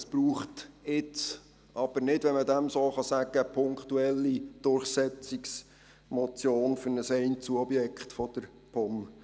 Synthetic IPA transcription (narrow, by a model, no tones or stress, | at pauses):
əspɾuːχtɪt͡s | ʔɑb̥əɾnɪdʋɛmədæmsoːχɑsæɡ̥əpʰʊŋkχtuɛlːid̥ʊrχsɛt͡siks | mɔt͡sjoːnfʏɾnəsɛɪntt͡suɔbjɛkχtfɔd̥̪əɾ | pʰɔm